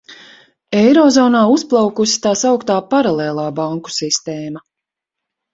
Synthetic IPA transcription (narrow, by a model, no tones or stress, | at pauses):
ɛjɾɔːzɔːnaːusplˠawkusi̥t̪aːsawkt̪aːpaɾalˠeːlˠaːbaŋku̥sist̪ɛːma